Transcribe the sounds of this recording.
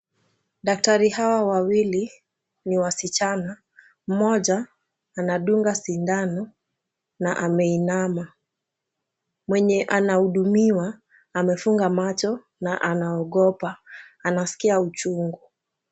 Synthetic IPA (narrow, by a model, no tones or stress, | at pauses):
ɗak̚taɾihawawawili | niwasit͡ʃana | m̩mɔʄaː | naɗuŋɡasindanɔ | naʔamɛinama | mwɛɲɛʔanahuɗumiwaː | mɛfuŋɡamat͡ʃɔ | naʔanaɔɠɔpaanasi̥kiaut͡ʃuŋɡu